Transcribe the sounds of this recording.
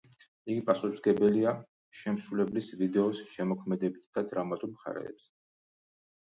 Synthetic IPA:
iɡipʼasuχzɡɛbɛlia | ʃɛmsɾulɛblisvid̪ɛɔsʃɛmɔkʰmɛd̪ɛbit̪ʰd̪̥ad̪ɾamat̪ʼumχa̰ɾɛ̰ːpsɛ

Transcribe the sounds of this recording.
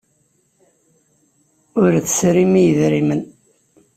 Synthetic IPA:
ʊɾθsɾimijəðɾimən

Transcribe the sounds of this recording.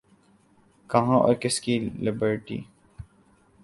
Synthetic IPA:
kɐɦãːʔɔ̰ːɾkɪskilɪbəɾʈḭː

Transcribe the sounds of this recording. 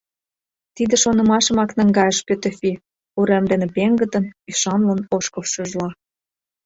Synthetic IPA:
t̪id̪ĕʃonɤ̆mɑʃə̆mɑknə̆ŋɡɑjəʃpøt̪efʲi | uɾemd̪enepeŋɡə̆t̪ə̆nyʃɑnlənoʃkofʃuʒlɑ

